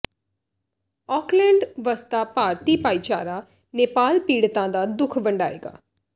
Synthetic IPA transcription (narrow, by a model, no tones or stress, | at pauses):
ɔːklɛ̃ːɳɖʋəst̪aːpaːɾt̪iːpaːiːt͡ʃa̰ːɾaː | neːpaːlpiːɽt̪ãːd̪aːd̪ʊkʰbə̃ɳɖaːḛːɡa̰ː